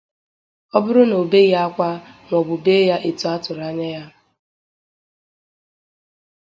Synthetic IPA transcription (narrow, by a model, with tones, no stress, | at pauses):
ɔ˦bʊ˦ɾʊ˦no˨be˦ja˦a˦kʷa˦ŋʷɔ˨bʊ˨be˦ja˦ʔe˨tu˦a˦tʊ˨ɾa˦ɲa˦ja˦